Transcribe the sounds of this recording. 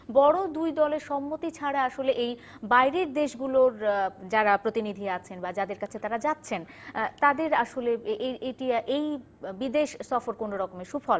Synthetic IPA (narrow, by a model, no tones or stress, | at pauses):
bɔɽod̪ujd̪ɔleɾʃɔmːot̪it͡ɕʰaɽaaʃoleʔej | bajɾeɾd̪eʃɡuloɾd͡ʑaɾapɾot̪inid̪ʱiat͡ɕʰenbad͡ʑad̪eɾkat͡ɕʰet̪aɾad͡ʑat̪ːɕʰen | t̪ad̪eɾaʃoleʔeeʈiaʔej | bid̪eʃsɔfoɾkonoɾɔkomeʃubfɔl